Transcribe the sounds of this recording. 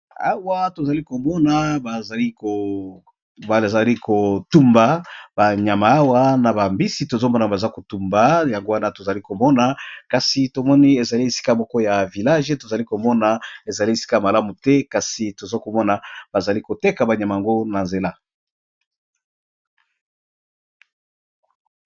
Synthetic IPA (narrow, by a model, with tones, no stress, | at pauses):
a˦wa˦to˨za˨li˦ko˨mɔ˦na˨ba˨i˦˨ | ba˨za˨li˦ko˨tu˦mba˨ba˨ɲa˨ma˨a˦wa˦na˨ba˨mbi˦si˨to˨zo˦mɔ˦n˨ba˨za˦ko˨tu˦mba˨ja˨ŋɡo˦wa˦na˦to˨za˨li˦ko˨mɔ˦na˨ka˨si˨to˨mɔ˦ni˦e˨za˨li˦e˨si̥˦ka˨mɔ˦kɔ˦ja˨vi˨la˦ʒe˦to˨za˨li˦ko˨mɔ˦na˨e˨za˨li˦e˨si̥˦ka˦ja˨ma˨la˦mu˨tɛ˦ka˨si˨to˨zo˦ko˨mɔ˦na˨ba˨za˨li˦ko˨te˦ka˨ba˨ɲa˨ma˨a˨ŋɡo˦na˨nze˨la˦